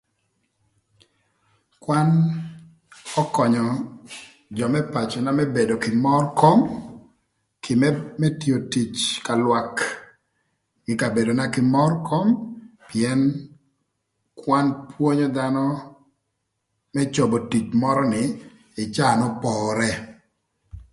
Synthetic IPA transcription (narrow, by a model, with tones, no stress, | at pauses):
kwa˦n | ɔ˦kɔ˨ɲɔ˨ | d͡ʒɔ˨mɛ˦pa˨t͡ʃɔ˨na˦mɛ˦be˨do˨kɪ˨mɔ˦rkʰo˦m | kʰɪ˨mɛmɛ˦tjo˨ti˨t͡ʃka˨lwa˨k | ɡɪ˨ka˨be˨do˨na˦kɪ˨mɔ˦rkʰo˦mpi˨ɛ˦n | kwa˦npwo˦ɲo˦d̪a˦nɔ˦ | mɛ˦t͡ʃo˨bo˨ti˨t͡ʃmɔ˦ɾɔ˦nɪ˨ | ɪ˨t͡ʃa˦˨nɔ˦pɔːɾɛ˦